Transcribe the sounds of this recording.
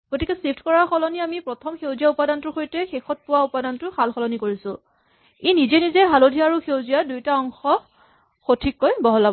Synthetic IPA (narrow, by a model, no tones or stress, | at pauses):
ɡ̥otikɛsip̚ʰtʰkɔɹaɹxɔlɔniamipɹɔtʰɔmxewzijaupadantʊxojtɛxexɔt̚pʊwaupadantʊxalxɔlɔnikoɹisʊ̃ | enizɛnizɛɦalodʱiaɹuxewzijadujtaɔŋxɔ | xotʰikːojbɔɦɔlabɔ